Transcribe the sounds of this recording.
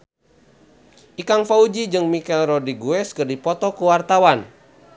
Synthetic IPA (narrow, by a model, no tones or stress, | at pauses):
ʔikaŋfaud͡ʒid͡ʒɨŋmikɛlrɔdiɡuɛskɨrdipɔt̪ɔkuwart̪awan